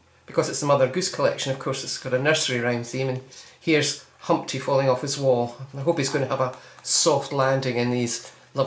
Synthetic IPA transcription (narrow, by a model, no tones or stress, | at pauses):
b̥ɪkʰɔzɪtsəmʌðə˞ɡʉskʰəlˠɛ̰kʃə̃nʌv̥kʰɔɹsɪtsɡ̥ɔɾənɜ˞səɹiɹãɪ̃mθĩmə̃nhiɹz̥ | hʌ̃mp̚tʰifɔlˠɪ̃ŋɔfəzwɔlˠaɪɦopizɡõnəəvəsɔftˡlˠãndɪ̃ŋɪ̃nðiz̥ | lˠʌ